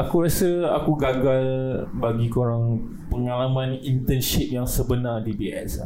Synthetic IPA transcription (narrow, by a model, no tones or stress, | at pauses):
akuɾasəakuɡaɡalbaɡikoɾaŋ | pəŋalamãnint̪ənʃip̚jaŋsəbənardibiʔɛ̰s